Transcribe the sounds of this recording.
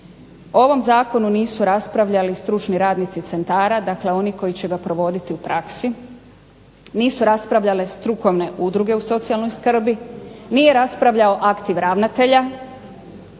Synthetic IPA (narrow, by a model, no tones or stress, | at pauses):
oo̞ʋo̞mzaːko̞nuniːsuɾaspɾaʋʎalist̪ɾut͡ʃniɾaːd̪nit̪sit̪se̞nt̪aːɾad̪akle̞o̞niko̞jit͡ɕe̞ɡapɾo̞ʋo̞d̪it̪iupɾaksi | niːsuɾaspɾaʋʎale̞st̪ɾuko̞ʋne̞ʔud̪ɾuɡe̞uso̞t̪sialnojskr̩binije̞ɾaspɾaʋʎao̞ʔakt̪iʋɾaʋnat̪e̞ʎa